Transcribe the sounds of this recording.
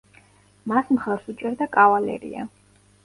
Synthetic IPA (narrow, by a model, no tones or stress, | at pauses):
masmχaɾsut͡ʃʼɛɾd̪akʼavalɛ̰ɾḭa̰